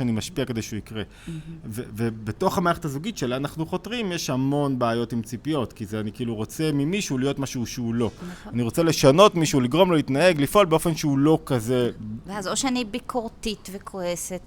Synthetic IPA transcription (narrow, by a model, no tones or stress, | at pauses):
animaʃpiakedejʃuikʁe̞ | vevebetoχhamaʁeχethazuɡitʃe̞lianaχnuχo̞tʁimjeʃhamo̞nbeːjo̞timt͡sipijo̞tkizeanikiiluʁo̞t͡se̞mimiʃuulijo̞tmaʃuuʃeulo̞aniʁo̞t͡sele̞ʃano̞tmiʃuuliɡʁo̞mlolitnae̞ɡlifʔo̞lbeo̞fe̞nʃeulo̞kaze̞veazoʃeanibikʰoʁtitvekʰoeset